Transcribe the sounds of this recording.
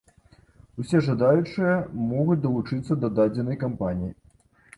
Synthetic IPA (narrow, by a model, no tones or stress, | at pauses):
usʲɛʐad̪ajut͡ʂɨjɐmɔɣut͡sʲd̪ɐlˠut͡ʂɨt̪sːɐd̪ɐd̪ad͡zʲɛnɐjkampanʲiji